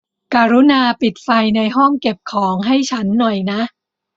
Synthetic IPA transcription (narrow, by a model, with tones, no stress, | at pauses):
kaː˧ɾu˦˥naː˧pi˨˩t̪̚fa˧jna˧jɦɔ˥˩ŋke˨˩p̚kʰɔː˩˦ŋɦa˥˩jt͡ɕʰa˦˥nːɔ˨˩jna˦˥ʔ